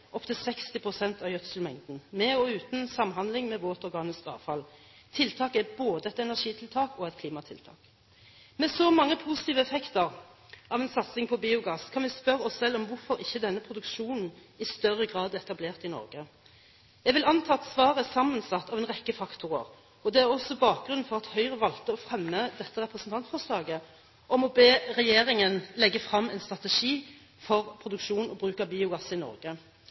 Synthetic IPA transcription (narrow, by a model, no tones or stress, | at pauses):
ʔɔpt̪ʰəsɛkst̪ɪpʰʁʊsɛnt̪ʰɑʋjœt̪slmɛŋd̪n̩mɛɔʉːt̪nsɑmɦɑnd̪lɪŋmɛboːt̪ɔʁɡɑːnɪskɑ̰ːʋfɑl | t̪ʰɪlt̪ʰɑːkɛboːd̪əɛt̪ɛnæʁʂiːt̪ʰɪlt̪ʰɑːkɔɛt̪̚kʰliːmɑt̪ʰɪlt̪ʰɑ̰ːk | mɛsɔmɑŋːəpʰusɪt̪iːʋəɛfɛkt̪əʁ | ɑːʋɛnsɑt̪sɪŋpʰɔbiːʊɡɑːskʰɑnʋɪspœʁəɔssɛlːɔmʋʊɾfɔɾɪçːəd̪ɛnːəpʰʁʊd̪ʉkʃuːnn̩ | ɪst̪œʁːəɡʁɑːd̪ɛt̪ɑbleːʁt̪ɪnɔ̰ʁɡə | jæɡʋɪlɑnt̪ʰɑːt̪sʋɑːʁəsɑmːənsɑt̪ːɑʋɛnʁɛkːəfɑkt̪ʰʊʁə̰ʁ | ɔd̪ɛæʁɔsːɔbɑːk̚ɡʁʉn̩fɔʁɑt̪hœʏʁəʋɑlt̪əɔfʁɛmːəd̪ɛt̪ːəʁɛpʁəsn̩t̪ʰɑnt̪fɔʁslɑːɡə | ʔɔmɔbeːʁɛjeːʁɪŋənlɛɡːəfʁɑmːɛɪnst̪ʁɑt̪ɛʃiː | fɔʁpʰʁʊd̪ʉkʃuːnn̩ɔbʁʉːkɑbiːʊɡɑsɪnɔ̰ʁɡə